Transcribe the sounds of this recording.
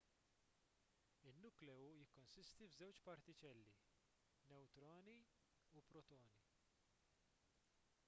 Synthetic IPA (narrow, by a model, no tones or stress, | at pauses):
ɪnːuklɛujɪkːɔnsɪst̪ivzɛwt͡ʃpɐɾt̪ɪt͡ʃɛlːi | nɛwt̪ɾɔːni | upɾɔt̪ɔːni